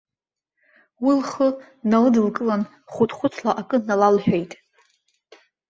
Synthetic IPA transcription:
wilχə | nalɨdɨlkʼɨlan | χʷʊtʰʼχʷʊt͡sʰlaʔakʼɨnalalħᶣejtʼ

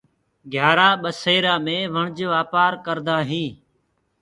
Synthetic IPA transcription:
ɡʱjaːɾaːɓəseːɾaːmẽːʋəɳd͡ʒʋaːpaːɾkəɾd̪aːɦĩː

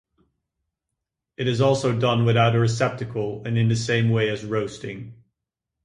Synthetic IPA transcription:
ɨɾɨzɔlˠsoʊdʌ̃nwɨðaʊɾɨɹɨsɛp̚tɨkʰəlˠɨ̃nɨ̃nðɨsẽɪ̃mweɪɨzɹoʊstɪ̃ŋ

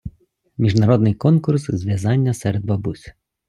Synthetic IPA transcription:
mʲiʒnɐɾɔd̪nɪjkɔnkʊrszʲʋʲjɐzɑnʲːɐsɛɾɛd̪̚bɐbusʲ

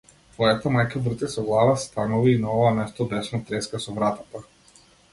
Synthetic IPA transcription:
t̪vɔjat̪amajkabr̩t̪ɛsɔɡlˠavast̪anɔviːnaɔvamɛst̪ɔb̪ɛʃnat̪ɾɛskasɔvɾat̪at̪a

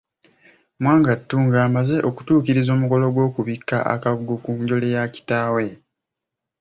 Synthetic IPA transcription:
mwaːŋɡatːuːŋɡaːmaze̞ʔo̞ku̥tuːkiɾizo̞ːmuko̞lo̞ɡwo̞ːkuβikːaʔa̰kaβuɡokuɲɟo̞lejaci̥taːwe̞

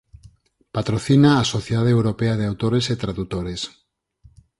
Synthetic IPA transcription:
pat̪ɾoθinaːsoθjeðaðewɾopeað̞eawt̪oɾeset̪ɾaðut̪oɾes

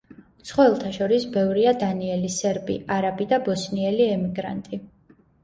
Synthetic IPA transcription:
t̪sʰχwɔɛlˠt̪ʰaʃɔɾisbɛvɾiad̪aniɛlisɛɾbḭʔaɾabid̪abɔsniɛliɛmiɡɾa̰nt̪ʼi

